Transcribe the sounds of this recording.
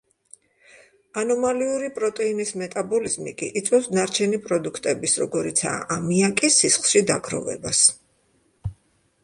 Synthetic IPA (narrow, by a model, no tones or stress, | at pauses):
anɔmaliuɾipʼɾɔt̪ʼɛinismɛt̪ʼabɔlizmikʼḭʔit̪sʼwɛsnaɾt͡ʃʰɛnipʼɾɔd̪ukʰt̪ʼɛbisɾɔɡɔɾit̪sʰa̰ʔamiakʼisisχlˠʃid̪a̰ɡɾɔ̰vɛ̰bas